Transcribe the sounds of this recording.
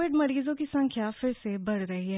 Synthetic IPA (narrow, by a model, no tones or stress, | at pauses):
ɪɖmɐɾiːzõkisɐ̃ŋkʰjafɪɾsebɐɽ̤ɾɐɦiɦɛ